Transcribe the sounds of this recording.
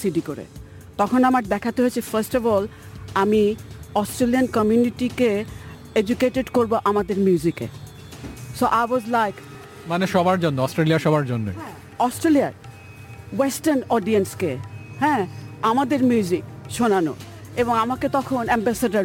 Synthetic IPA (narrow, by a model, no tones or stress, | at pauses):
siɖikoɾḛ | t̪ɔkʰonamaɾd̪ɛkʰat̪eɦoet͡ɕʰefaɾsʈɔbɔl | amiɔsʈɾeliankɔmjuniʈike | ed͡ʑukeʈeɖkoɾboʔamad̪eɾmjuzikḛ | soʔajwɔzlajk | maneʃɔbaɾd͡ʑonːoɔsʈɾeliaʃɔbaɾd͡ʑonːo̰j | ɔsʈɾeliaɾ | wesʈaɾnɔɖienskehɛ̃amad̪eɾmjuzikʃonano̰ | eboŋamaket̪ɔkʰonɛmbɛsaɖaɾ